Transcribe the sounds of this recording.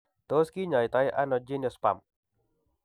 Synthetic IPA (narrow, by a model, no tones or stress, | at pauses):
t̪oskiɲajt̪ajʔa̰nɔd͡ʒinjɔspa̰m